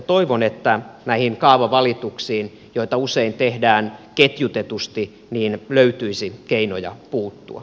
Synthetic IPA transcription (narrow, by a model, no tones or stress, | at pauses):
t̪oiʋonet̪ːænæihiŋkɑːʋɑʋɑlit̪uksiːn | joit̪ɑuseint̪ehdæːnket̪jut̪et̪ust̪i | niːnløyt̪yisikeinojɑ̰puːt̪ːṵɑ̰